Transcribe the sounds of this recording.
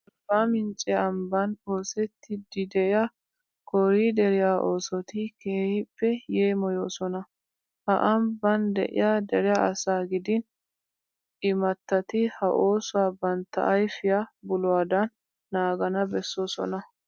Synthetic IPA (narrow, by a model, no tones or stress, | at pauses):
baːmɪnt͡ʃʼɛɐmbɐno̞ːsɛt̪ʰːɪd̪ɪd̪ɛɪja | kɔɾiːd̪ɛɾɪjaːʔo̞ːsɔt̪ɪkeːhɪpːɛjeːmɔjoːsɔnɐ | hɐ̰ʔɐmbɐnd̪ɛ̰ʔɪ̰jad̪ɛɾɪjaɐsaːɡɪd̪ɪn | ɪmɐt̪ːɐt̪ɪhɐʔo̞ːsʊwaːbɐnt̪ːɐ̰ʔɐjfɪjabʊlʊwaːd̪ɐnː | aːɡɐnɐbɛsːoːsɔ̰nɐ